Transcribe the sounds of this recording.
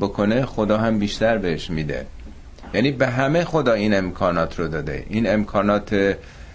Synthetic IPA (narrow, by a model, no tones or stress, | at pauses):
bo̞kʰo̞nexo̞d̪ɒːɦæmbiːʃt̪æɾbeheʃmiːd̪ḛ | jæːniːbeɦæmejxo̞d̪ɒːiːne̞mkʰɒːnɒːt̪ʰɾod̪ɒːd̪e̞̰ʔiːne̞mkʰɒːnɒːt̪ʰe